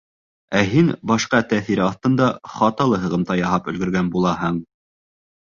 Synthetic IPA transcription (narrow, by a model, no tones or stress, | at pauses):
æɦinbɑʃqɑt̪æθiɾɘɑθt̪ɤ̆nd̪ɑχɑt̪ɑlˠɤɦɤ̆ʁɤ̆mt̪ɑjɑhɑpɵ̆lɡɵ̆ɾɡænbulˠɑɦɤɴ